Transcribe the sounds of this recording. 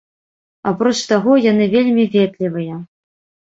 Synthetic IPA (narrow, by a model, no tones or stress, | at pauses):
apɾɔt͡ʂt̪aɣɔjanɨvʲelʲmʲivʲed̪lʲivɨjɐ